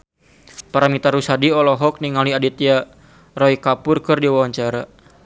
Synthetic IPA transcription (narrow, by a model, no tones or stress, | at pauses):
paɾamit̪aɾusadiɔlɔɦɔk̚niŋaliadit̪ia | rɔikapʊrkɨrdiwawaɲt͡ʃaɾa